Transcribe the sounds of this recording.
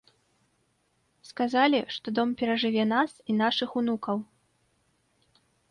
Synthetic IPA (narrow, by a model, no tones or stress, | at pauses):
skazalʲiʂt̪ɔd̪ɔmpʲɛɾɐʐɨvʲɛnasinaʂɨxunukɐw